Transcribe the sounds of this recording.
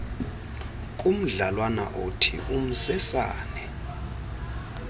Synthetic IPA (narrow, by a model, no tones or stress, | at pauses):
k̬ʼum̩ɮalwana̰ʔotʰḭʔum̩sɛsaːnɛ